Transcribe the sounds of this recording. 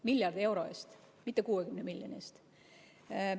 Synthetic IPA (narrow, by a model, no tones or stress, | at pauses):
milʲjɑrd̪ie̞wɾo̞est̪ | mit̪ːˑekuːekymnemilʲjonʲḛst̪